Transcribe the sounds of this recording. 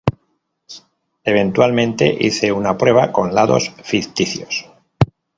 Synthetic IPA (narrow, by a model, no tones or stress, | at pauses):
e̞β̞e̞nt̪walmẽ̞nt̪e̞̰ʔḭθe̞unapɾe̞β̞ako̞nlaðo̞̰sfikt̪iθjos